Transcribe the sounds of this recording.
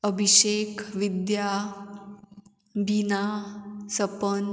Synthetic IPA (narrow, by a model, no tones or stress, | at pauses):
əbʱiɕekʰʋid̪ja | binasəpən